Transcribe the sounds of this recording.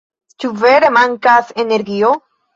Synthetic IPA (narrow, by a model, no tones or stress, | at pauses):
t͡ʃuveɾemaŋkaseneɾɡio